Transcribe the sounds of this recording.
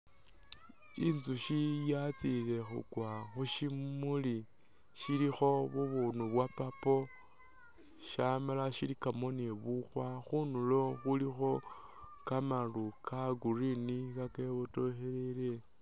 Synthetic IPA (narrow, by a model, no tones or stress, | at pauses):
inzuʃijat͡sile̞xṵɡwaxuʃimuli | ʃilixo̞βuβunuβwapapo̞ | ʃamalaʃilikamo̞neβuxwaxunulo̞xulixo̞ | kamalukʰaɡurinikakeβoto̞xelele